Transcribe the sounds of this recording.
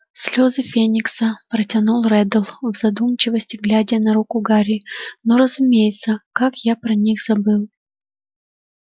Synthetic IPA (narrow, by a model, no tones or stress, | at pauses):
sʲlʲozɨfʲenʲɪksəpɾətʲɐnulˠrɛd̪əlˠvzɐd̪umt͡ɕɪvəsʲtʲɪɡlʲædʲɪjənɐɾukʊɡaɾʲɪnoɾəzʊmʲejɪt̪səkakjapɾɐnʲixz̥ɐbɨlˠ